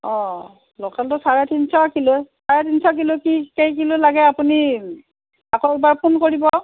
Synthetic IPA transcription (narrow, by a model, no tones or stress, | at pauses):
ɔ̃ | lɔkaltʊsaɹatʰinsɔkilojsaɹɛtʰinsɔkilʊkikejkilʊlaɡɛapuni | akɔɹbaɹpʰunkoɹibɔ